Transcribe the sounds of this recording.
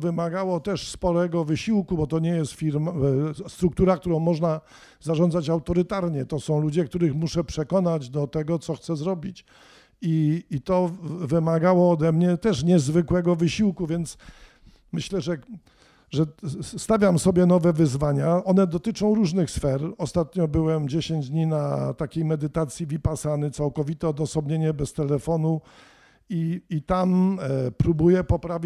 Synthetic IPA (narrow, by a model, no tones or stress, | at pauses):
vɘmaɡawɔt̪ɛʂspɔlɛɡɔvɘɕiwkubɔt̪ɔɲɛjɛst̪fʲiɾmst̪ɾuk̚t̪uɾak̚t̪uɾɔ̃w̃mɔʐna | zaʐɔnzat͡ɕawt̪ɔɾɘt̪aɾɲɛt̪ɔsɔ̃w̃lud͡ʑɛk̚t̪uɾɘxmuʂɛpʂɛkɔnad͡ʑd̪ɔt̪ɛɡɔt̪sɔxt̪sɛzɾɔbʲit͡ɕ | iːt̪ɔvɘmaɡawɔːd̪ɛmɲɛt̪ɛʂɲɛzvɘkwɛɡɔvɘɕiwkuvʲjɛnt̪s | mɘɕlɛʐɛ | ʐɛst̪avʲjamsɔbʲjɛnɔvɛvɘzvaɲaɔnɛd̪ɔt̪ɘt͡ʂɔ̃w̃ɾuʐnɘxsfɛɾɔst̪at̪ɲɔbɘwɛmd͡ʑeɕeɲd͡ʑd̪ɲinat̪akʲejmɛd̪ɘt̪at̪sʲjivʲipasanɘt̪sawkɔvʲit̪ɛɔd̪ɔsɔbɲeɲɛbɛst̪ɛlɛfɔnu | iːt̪ampɾubujɛpɔpɾavʲ